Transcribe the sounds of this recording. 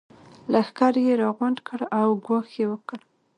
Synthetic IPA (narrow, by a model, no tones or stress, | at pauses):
laxkaɾjeɾɑɣʊnd̪kʰəɽawɡwɑxjewəkəɽ